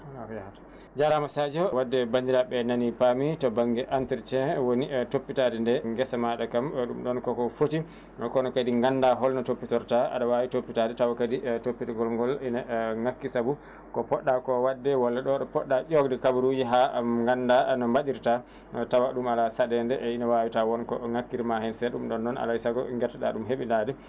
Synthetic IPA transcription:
alafɔjahata | d͡ʒaɾamasad͡ʒɔwadːɛbandiɾaɓɛnanipamitɔbaŋɡɛʔantiɾt͡ʃɛwonitopːitadɛndɛŋɡɛsamaɗakamɗumɗɔnkɔkɔfoti | kɔnɔkadiŋɡanːdaɦɔlnɔtopːitɔɾtaa̰ɗawawitopːitadɛtawakaditopːiɾiɡɔlŋɡɔlinaŋakːisabu | kɔpɔɗːakɔwadːɛwalːaɗɔɗɔpɔ̰ɗːaʔɔɡdɛkabuɾujiɦaŋɡanːdanɔmbaɗiɾta | tawaɗumalasaɗɛndɛʔinawawitawɔnkɔŋakːiɾmahɛnsɛɗumɗɔnːɔna̰laisaɡɔŋɡɛtːɛɗa̰ɗumɦeɓindaːdɛ

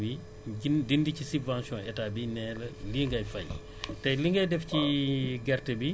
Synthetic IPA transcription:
bi | idindicisubvãnsjɔ̃ɛtabinɛːləliŋɡɐjfɐj | tɐjliŋɡɐjdɛfciɡɛrtəbi

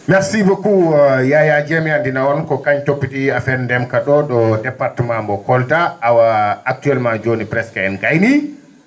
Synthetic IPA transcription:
maɾsibɔkujajad͡ʒemiandinawɔnkɔkaɲtopːitiafɛnndɛmkaɗɔɗɔdɛpaɾtumambɔkɔltaːwaːk̚tuɛlmad͡ʒonipɾɛskɛɛnɡajni

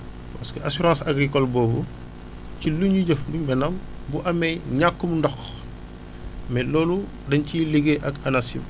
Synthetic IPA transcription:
pɐskəʔasuɾɑ̃ːsaɡɾikɔlbɔːbu | ciluɲuɟɐfbumbɛnɐm | buʔɐmɛjɲakːumundɔx | mɛlɔːlu | dɐnciliɡeʔɐkɐnasḭm

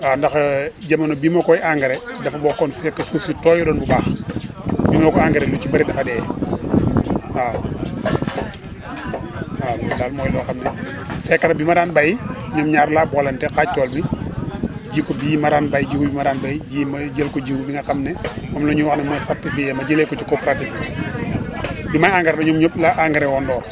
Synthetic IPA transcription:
aːndɐxɟɐmɐnɔbiːmɐkɔjʔaŋɡɐɾɛdɐfɐbɔkɔnfɛkːɐsuːfsitɔːjɔdɔːnbubaːx | biːmɐkɔaŋɡɐɾɛlut͡ʃibɐɾidɐfɐdɛː | aː | aːlaːlmɔːjlɔxɐmnɛ | fɛkːɐnɐbimaɾaːnbajiɲɔmɲaːɾlabɔlɐntɛkaːc̚ːɔːlmi | d͡ʒiːkɔbiːmaɾaːnbajid͡ʒiːkɔbimaɾaːnbajiɟiːmɐɟəlkɔɟiwbiŋɡɐxɐmnɛmɔmlɔɲuwaxnɛmɔːjsartifijɛmɐɟəlekɔt͡ʃikɔːpɾatifi | bimajaːŋɡɐɾdɔɲɔmɲɔplaʔaŋɡɐɾɛwɔndɔːr

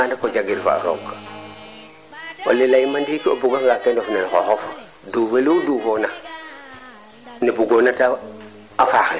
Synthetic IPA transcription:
andakod͡ʒaɡiɾfa̰a̰ɾawkːḁ | wo̰lːilajimandikiobuɡaŋɡatendofnenko̰xof | duveludufona | nibuɡonata | afaxe

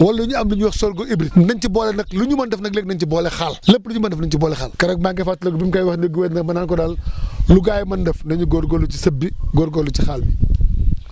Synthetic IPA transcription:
wɐlːuɲuɐmluɲuwɐxsɔːɾɡɔibɾinɐɲcibɔːlɛnɐk̚luɲumɐndɐfnɐkleːk̚nɐɲcibɔlɛxallɐpːluɲumɐndɛfnɐɲcibɔːlɛxalkɐɾɐk̚maɡɐfatːulɐɡbimkajwɐxnɐɡuwɛːtnɐkmɐnaːnkɔdalluɡaːjmɐndɛfnɐɲuɡɔɾɡɔlːucisɐbːiɡɔɾɡɔlːut͡ʃixalbi

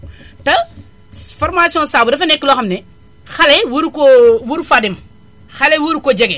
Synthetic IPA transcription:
tɐ | fɔrmasiɔ̃saːbudɐfɐnɛkːilɔxɐmnɛ | xɐlɛwuɾkɔwuɾfadim | xɐlɛwuɾkɔɟɐɡɛ

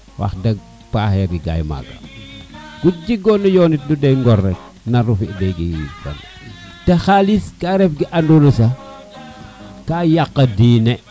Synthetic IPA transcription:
wa̰xdɐɡ̚ | paːxɛɾɡiɡa̰jma̰ɡa̰ | ɡ̥uɟiɡɔnɐjɔnit̚dudɛŋɡɔrːɛk̚ | nɐɾufiʔdɛɡḭfɔ̰n | texaliskaːɾɛfɡiʔandulusɐ | kaːjaqːɐdiːnɛ

